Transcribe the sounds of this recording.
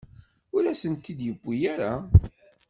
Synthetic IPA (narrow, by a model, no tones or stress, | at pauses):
ʊɾæsənt̪ːid̪jəbʷːijaɾa